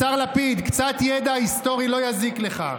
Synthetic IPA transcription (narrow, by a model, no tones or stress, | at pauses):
aʁlapid̪kt͡sat̪jed̪aːist̪o̞ʁilo̞jazikle̞χa̰